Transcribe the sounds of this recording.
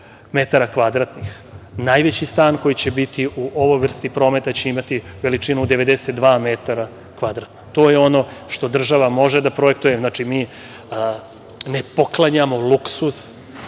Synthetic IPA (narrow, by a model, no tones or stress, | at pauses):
me̞t̪aɾakʋad̪ɾat̪nix | najʋet͡ɕist̪aːnko̞jit͡ɕe̞bit̪iʔuʔo̞ʋo̞jʋr̩st̪ipɾo̞ːmet̪at͡ɕeimat̪iʋe̞lit͡ʂinud̪e̞ʋe̞d̪eset̪̚d̪ʋaːmet̪aɾa | kʋad̪ɾat̪nat̪o̞ːjeo̞no̞ʃt̪o̞d̪r̩ʒaʋamo̞ʒed̪apɾo̞ek̚t̪ujemznaːt͡ʂimiː | nepo̞klˠaɲamo̞lˠuksus